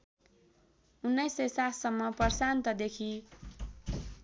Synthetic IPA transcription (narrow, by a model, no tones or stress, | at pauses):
unːʌjsːʌjsat̪ʰsʌmːʌpʌrsant̪ʌd̪ekʰi